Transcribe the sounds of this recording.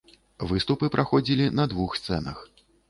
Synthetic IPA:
vɨst̪upɨpɾʔaxɔd͡zʲilʲinɐd̪vuxst̪sɛnɐ̰x

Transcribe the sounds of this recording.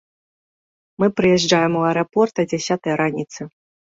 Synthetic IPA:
mɨpɾɨjɛʐd͡ʐajɛmuɐɛɾɐpɔrt̪ɐd͡zʲasʲat̪ɐjɐɾanʲit̪sɨ

